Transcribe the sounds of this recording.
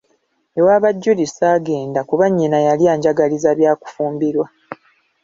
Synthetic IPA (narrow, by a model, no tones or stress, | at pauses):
ewaːβaɟːulisaːɡe̞ːndakuβaɲːinajalijaːɲɟaɡalizaβjaːku̥fuːmbiɾwa